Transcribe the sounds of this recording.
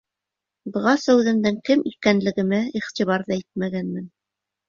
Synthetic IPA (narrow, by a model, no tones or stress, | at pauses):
d̪ŏʁɑsæwðɘ̆nd̪ɘŋkɘmʔikænlɘ̆ɡɘ̆mæiχt̪ʲiβɑɾðɑit̪̚mæɡænmɘn